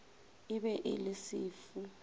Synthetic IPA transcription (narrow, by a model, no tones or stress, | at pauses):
iɓɛʔḛlisiːfu